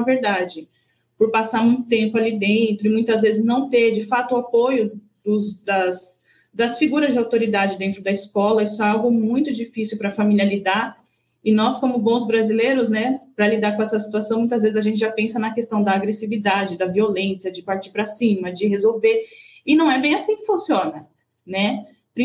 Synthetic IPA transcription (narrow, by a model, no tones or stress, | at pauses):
ɐveɾd̪ad͡ʒɪ | pʊɾpasaɾmũj̪̃t̪ẽmpʊalid̪ẽt̪ɾʊɪmũj̃t̪ɐzvezɪznɐ̃w̃t̪eɾd͡ʒɪfat̪ʊːapojʊ | d̪ʊzd̪ɐs | d̪ɐsfiɡuɾɐzd͡ʒɪawt̪oɾid̪ad͡ʒɪd̪ẽnt̪ɾʊd̪ɐiskɔlɐisʊɛawɡʊmũj̃t̪ʊd͡ʒifisiwpɾɐfamiliɐlid̪aɾ | ɪnɔskõmʊbõzbɾazileɾʊznɛpɾɐlid̪aɾkõɛsɐsi̥t̪uasɐ̃w̃mũj̃t̪ɐzvezɪzɐaʒẽnt͡ʃɪʒapẽsɐnɐkest̪ɐ̃w̃d̪ɐːɡɾesivid̪ad͡ʒɪd̪ɐviolẽsjɐd͡ʒɪpaɾt͡ʃiɾpɾɐsĩmɐd͡ʒɪhezowve | ɪnɐ̃w̃ɛbẽj̃asĩkɪfũsiõnɐ | nɛ | pɾ